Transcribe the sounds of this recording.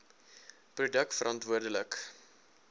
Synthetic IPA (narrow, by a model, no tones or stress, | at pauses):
prudək̚tfəɾʔɑntvuərdələk